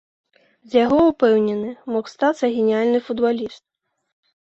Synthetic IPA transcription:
zʲjaɣɔupɛwnʲɛnɨmɔxst̪at̪sːɐɣʲenʲialʲnɨfud̪balʲist̪̚

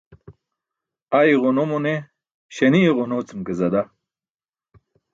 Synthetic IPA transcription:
ajʁonomone | ɕɐniʁonot͡simkezɐd̪a

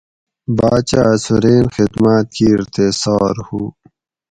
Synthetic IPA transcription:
baːt͡ɕasuɾeːnxid̪maːt̪̚kiːɾt̪esɔːɾhuː

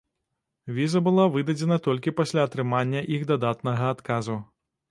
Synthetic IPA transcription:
vʲizɐbɨlˠavɨd̪ɐd͡zʲɛnɐt̪ɔlʲkʲipɐsʲlʲaːt̪ɾɨmanʲːɐʔiɣd̪ad̪at̪nɐɣɐːt̪kazu

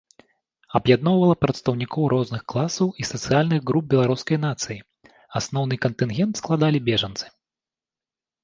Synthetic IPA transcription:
ɐbjad̪̚nɔwvɐlˠɐpɾɐt̪st̪ɐwnʲikɔwɾɔznɨxklˠasɐwisɐt̪sɨjalʲnɨɣɣɾub̚bʲɛlˠaɾuskɐjnat̪sɨji | asnɔwnɨkɐnt̪ɨnɣʲɛnt̪sklˠad̪alʲibʲɛʐɐnt̪sɨ̥

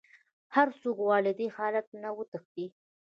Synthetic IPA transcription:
haɾsokwɑlɪd̪ihɑlat̪̚nawət̪əxd̪i

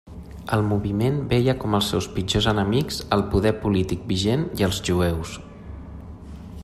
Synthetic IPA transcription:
əlˠmuβimenbɛjəkɔməlˠsːɛwspid͡ʒozənəmikz̥əlˠpuðɛɾpulit̪ik̚biʒeniəlˠzʒuɛws

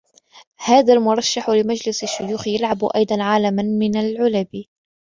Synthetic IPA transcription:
haːðalmʊɾˤɑʃːaħlɪmad͡ʒlɪsaʃːʊjuːxjalʕabʔɑ̰jd̪ˤɑnʕalamanmɪnalʕʊlabi

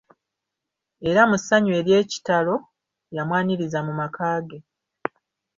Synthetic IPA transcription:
e̞ɾamusaɲwe̞ɾje̞ːci̥talo̞ | jamwaːniɾizamumakaːɡe̞

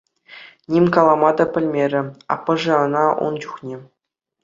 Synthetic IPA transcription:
nʲimʲkɑlˠɑmɑd̪ɑpʲɘ̆lʲmʲeɾʲɘ̆ɑ̰pːɤ̆ʐɤ̆ɤ̆nɑʔṵnt͡ɕuχnʲe

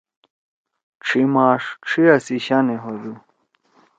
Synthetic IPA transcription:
ʈ͡ʂʰimaːʂʈ͡ʂʰiɐsiɕaneɦod̪u

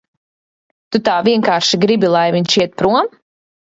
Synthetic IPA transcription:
t̪ut̪aːvʲiɛŋkaːɾʃiɡɾibʲilˠajviɲʃiɛt̪̚pɾuɔm

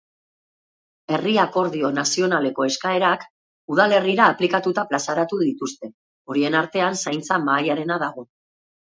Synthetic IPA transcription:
e̞riako̞ɾðio̞nasio̞nale̞ko̞e̞skae̞ɾak | uð̞ale̞riɾaːplikat̪ut̪aplasaɾat̪uðit̪ust̪e̞ | o̞ɾie̞naɾt̪e̞ansajnt͡samaːjaɾe̞naðaɣ̞o̞

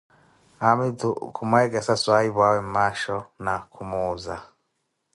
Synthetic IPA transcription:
amitukʰumaɛk̬ɛsaswaiβwawɛmaʃɔnakʰumuːza

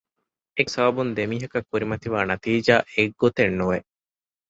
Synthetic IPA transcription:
esɐbɐbund̪emiːɦɐkɐkːuɾimɐt̪iʋaːnɐt̪iːd͡ʒaːʔeɡːot̪enːuʋe

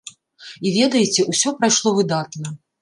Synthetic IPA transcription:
ivʲɛd̪ɐjɪt͡sʲɛusʲɔpɾajʂlˠɔvɨd̪at̪nɐ

